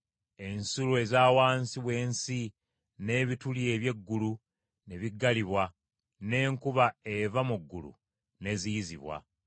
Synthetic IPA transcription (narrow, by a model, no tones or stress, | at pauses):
e̞nsulue̞zaːwaːnsiβwe̞ːnsi | ne̞ːβitulie̞βje̞ɡːulu | ne̞βiɡːaliβwa | ne̞ːŋkuβae̞vamuɡːulṵ | ne̞zizḭβwa̰